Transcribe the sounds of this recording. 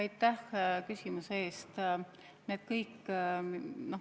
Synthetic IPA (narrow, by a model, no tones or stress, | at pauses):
ɑjt̪ːˑæhkysʲimusee̞ːst̪ | neːd̪̥̚kɤjkː | no̞